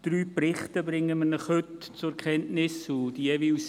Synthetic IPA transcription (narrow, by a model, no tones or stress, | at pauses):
d̥ɾyːprɪχtəbɾɪŋːəmənəχhʏtt͡sʊɛɾkʰχɛntnɪsud̥ievɪls